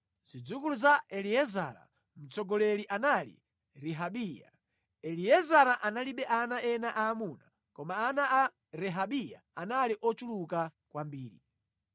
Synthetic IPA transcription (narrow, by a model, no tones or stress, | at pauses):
z̥id͡zukuluzaʔɛlijɛza̰ɾa̰ | m̩t͡sɔɡɔlɛliʔanalḭ | ɾiɦaɓiːja̰ | ɛlijɛzaɾaʔanaliɓɛʔanaɛnaʔaːmuna | kɔmaːnaa | ɾɛɦaɓija̰ | analiʔɔt͡ʃulukakwambiːɾḭ